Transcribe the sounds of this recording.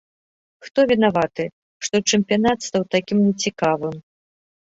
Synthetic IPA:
xt̪ɔvʲɛnavat̪ɨ | ʂt̪ɔt͡ʂɨmpʲjanat̪st̪awt̪akʲimnʲɛt͡sʲikavɨm

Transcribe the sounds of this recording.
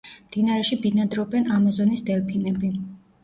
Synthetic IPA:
md̪̥inaɾɛʃibinad̪ɾɔbɛnamazɔnisd̪ɛlpʰinɛbi

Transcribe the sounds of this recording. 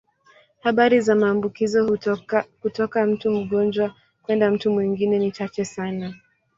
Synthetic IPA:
haɓaɾizamaːmbukizɔ | hutɔkam̩tum̩ɠɔnd͡ʒwa | kwɛndam̩tumwiŋɡinɛnit͡ʃat͡ʃɛsana

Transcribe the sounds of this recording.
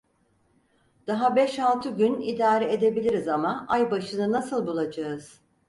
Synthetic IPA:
d̪̥aɦabɛʃalˠt̪ʰɯɟynḭd̪aːɾɛed̪e̞bilʲiɾizamaʔajbaʃɯnɯnasɯlˠbulˠad͡ʒaɯz̥

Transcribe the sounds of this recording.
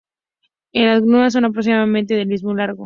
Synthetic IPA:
enlazɣɾumas̬onap̬ɾoks̬imaðament̪eðelizmulaɾɣo

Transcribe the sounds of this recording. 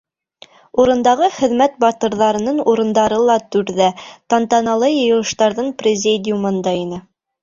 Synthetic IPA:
uɾɤ̆nd̪ɑʁɤχɘ̆ðmæt̪̚bɑt̪ɤ̆ɾðɑɾɤ̆nɤɴuɾɤ̆nd̪ɑɾɤlˠɑt̪ʉɾðæt̪ɑnt̪ɑnɑlˠɤjɤ̆jɤ̆lˠɤ̆ʃt̪ɑɾðɤɴprʲɪzʲid̪ʲɪjumɤ̆nd̪ɑinɘ

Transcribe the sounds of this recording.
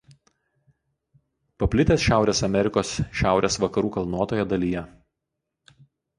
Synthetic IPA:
pɐpʲlʲɪt̪ʲeːsʃʲæˑʊɾʲeːsɐmʲɛɾʲɪkoːsʃʲæˑʊɾʲeːsʋɐkɐɾuːkɐlˠnuɔt̪oːjɛd̪ɐlʲiːjɛ

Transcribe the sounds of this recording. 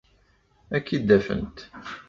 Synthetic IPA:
ækːid̪ːæfə̰nt̪

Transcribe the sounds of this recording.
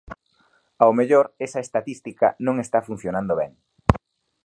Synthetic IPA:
awmeʎoɾesɐest̪at̪ist̪ikɐ̰nõŋest̪afun̟θjonãnd̪oβɛŋ

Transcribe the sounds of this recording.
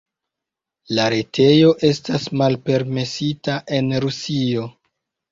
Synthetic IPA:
laɾetʰe̞jo̞ʔe̞stasmalpe̞ɾme̞sitaʔe̞nɾusio̞

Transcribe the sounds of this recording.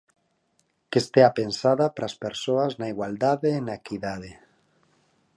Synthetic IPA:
kest̪eapensaðapɾaspeɾsoaznaiɣwald̪aðeːnaekiðaðe

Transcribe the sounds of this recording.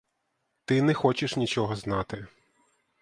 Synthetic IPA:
t̪ɪnɛxɔt͡ʃɪʃnʲit͡ʃɔɦɔznɑt̪ɪ

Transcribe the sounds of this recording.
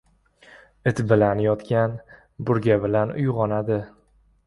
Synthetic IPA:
ɪt̪bɪlanjɒt̪kʲan | bʊɾɡʲabɪlanʊ̰jʁɒnad̪ɪ

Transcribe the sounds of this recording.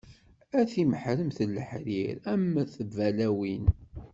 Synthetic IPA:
æθiməħɾəmθəlːəħɾiɾæmːæθəvælæwin

